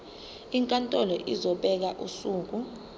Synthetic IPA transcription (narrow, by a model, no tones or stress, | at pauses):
iŋkʼantʼɔlɔʔizɔɓɛk̬aʔṵsuːk̬u